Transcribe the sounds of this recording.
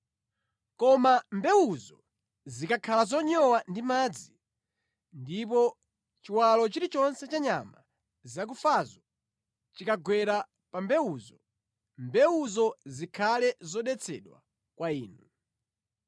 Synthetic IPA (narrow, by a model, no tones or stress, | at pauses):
kɔmambɛwuzɔ | zikakʰalazɔɲɔwandimaːd͡zi | ndip̬ɔ | t͡ʃiwalɔt͡ʃiɾit͡ʃɔnsɛt͡ʃaɲama | zak̬ufazɔ | t͡ʃikaɡwɛɾa | pambɛuzɔ | mbɛwuzɔzikʰalɛzɔɗɛt͡sʰɛ̰ɗwa̰ | kwaiːnu